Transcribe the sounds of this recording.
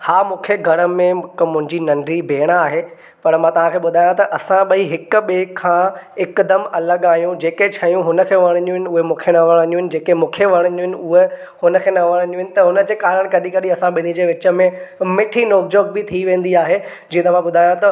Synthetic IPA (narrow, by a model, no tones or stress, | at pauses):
haːmũːkʰeɡʱɐɽ̃əmẽkmʊ̃ɦɪ̃ɲd͡ʑinɐɳɖɾibʱeːɽ̃aːɦeː | pɐɾmãt̪ɐʋ̤ãkʰeːɓʊd̪ʱaːjãt̪ɐʔɐsãɓɐiɦɪk̆ɓeːkʰːãɪkd̪əmɐləɠaːɦijũd͡ʑeːket͡ɕʰɐjũɦʊnə̆kʰeːʋɐɽ̃ənijũɦɪnɪ̆ʊɦemũːkʰenɐʋɐɽ̃ə̃njũɦɪnɪ̆d͡ʑeːkemũːkʰeʋɐɽ̃ənũɦɪ̃nɪ̆ʊɦe | hʊnə̆kʰeːnɐʋɐɽ̃ə̃niũɦɪnɪ̆t̪ɐɦʊnəd͡ʑeːkaːɾəɽ̃kɐɗikɐɗiɐsãɓɪnid͡ʑeːʋɪt͡ɕəmẽmɪʈʰinoːkd͡ʑoːɡ̚bɪt̪ʰiʋẽːn̆d̪iaːɦe | d͡ʑĩːẽt̪ɐʋ̤ãɓʊd̪ʱaːjãt̪ɐ